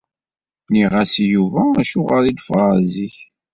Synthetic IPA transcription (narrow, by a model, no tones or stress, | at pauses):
niʁæsjuvæːʃʊʁəɾid̪fʁziç